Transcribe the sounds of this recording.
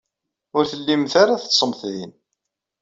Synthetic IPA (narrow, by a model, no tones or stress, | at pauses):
ʊɾθəlːimθaɾaθə̥t͡ssˤəmθðin